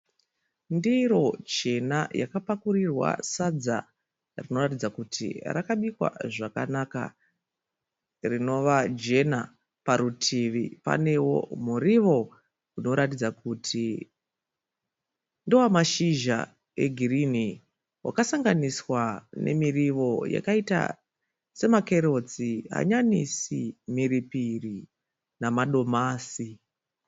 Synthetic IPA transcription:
ndiɾo̞t͡ʃe̞naja̰kapakurirwa̰sad͡za̰ | rino̞ratid͡zakutʰḭrakaɓikwa̰ʐaka̰naka̰ | rino̞ʋad͡ʒe̞na | paɾutʰiʋipa̰ne̞wo̞̰muɾiʋo̞ | uno̞ɾatid͡zakuːtʰi | ndowamaʃiʒa̰ | e̞ɡʱirini | wa̰kasaŋɡaniswane̞̰miriʋo̞ja̰kaita̰ | se̞makeɾo̞t͡siɦa̰ɲanisimiɾipiri | namaɗo̞maːsi

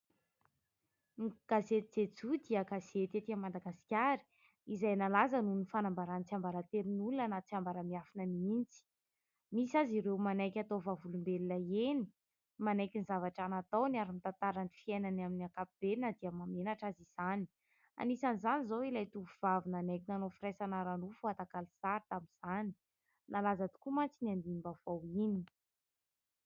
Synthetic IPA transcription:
ɡ̥azet̪id͡zet͡sud̪iəɡazet̪et̪iamad̪aɡasi̥kʲaɾi̥ | izajnalazənunifanambaɾant͡siambaɾat̪eɾinulunənat͡siambaɾəmiafinəniint͡si̥ | misaziɾewmanajkʲat̪ovavulumbelunaeni̥ | manajkinizavaʈ͡ʂanat̪awniaɾimit̪ant̪aɾanifiajnanaminiakapib̥enəd̪iamamenaʈ͡ʂaziz̥ani̥ | a̰nisanizanizowilajt̪upuv̥avinanakinanofiɾesanaɾanufuat̪akalisaɾt̪aminz̥ani̥ | nʔalazat̪u̥kumant͡sinand̪iimbav̥awini

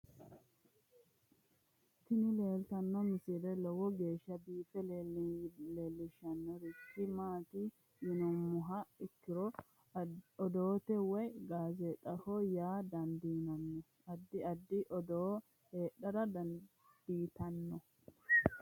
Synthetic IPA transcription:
t̪ːɪnɪle̞ːlt̪ɐnːɔmʊsiːlɛlɔwɔɡeːʃːɐbiːfɛl | leːlːɪʃɐnːɔɾɪtːɪmaːt̪i | jɪnɔmːʊɦɐɪkːɪɾɔ | ɔd̪oːt̪ɛwɛjɡaːzɛt̪ʼːɐhɔjaːd̪ɐnd̪iːnɐnːɔ | ɐd̪ːɪɐd̪ːɪʔɔd̪ɔ | heːɗɐɾɐd̪ɐn | d̪̥iːt̪ɐnːɔ

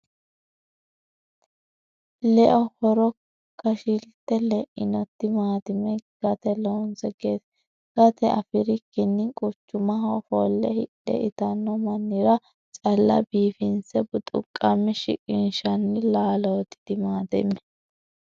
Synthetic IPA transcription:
lɛʔɔhɔɾɔ | kːɐʃɪlt̪ːɛlɛʔɪnɔt̪ːɪmaːt̪ɪmɛɡ̥ɐt̪ɛloːnsɛɡeːs | ɡ̥ɐt̪ɛɐfɪɾɪkːɪnːɪkʼʊt͡ʃːʊmɐɦɔfoːlːɛhɪɗɛ̰ɪt̪ɐnːɔmɐnːɪɾɐ | t͡sʼɐlːɐ̰biːfɪnsɛbʊt̪ʼʊ̰kʼːɐmːɪʃɪ̰kʼɪnʃɐnːɪlaːlot̪ːɪ̥d̪̥ɪmaːt̪ɪ̰mɛ

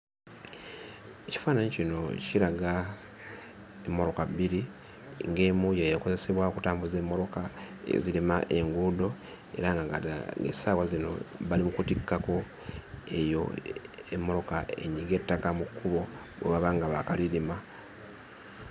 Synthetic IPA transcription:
eci̥faːnaɲicino̞ciɾaɡa | emːo̞ɾo̞kabːiɾi | ŋɡe̞ːmujajako̞ze̞se̞βwaokutaːmbuze̞ːmːo̞ɾo̞kaḛzilimaʔe̞ŋɡudo̞ | e̞̰ɾaŋɡaŋɡa̰ŋɡḛsaβwazino̞̰βalimukutikːako̞ | e̞jo̞̰ḛmːoɾo̞kae̞̰ɲiɡe̞tːakamukːuβo̞ | βwḛβaβaŋɡaβakalilima

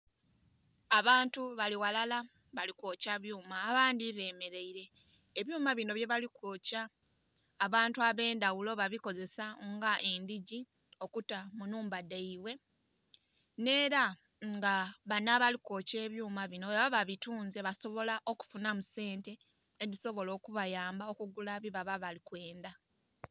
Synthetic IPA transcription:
aβaːntuβaliwalala | βalikoːcaβjuːmaːβaːndiβe̞ːme̞ɾe̞iɾe̞ː | βjuːmaβino̞βje̞βalikoːcaː | βaːntuaβe̞ːndawulo̞βaβiko̞ze̞saŋɡaʔe̞ndiɟi | o̞kutamunuːmbadeiβwe̞ | ne̞ːɾa | ŋɡaβanaβaliko̞ce̞ːβjuːmaβinoaβaβaβituːnzeβaso̞βo̞laʔo̞ku̥funamuse̞ːnte̞ː | diso̞βo̞lo̞ːkuβajaːmbaokuɡulaβiβaβaβalikwe̞ːnda

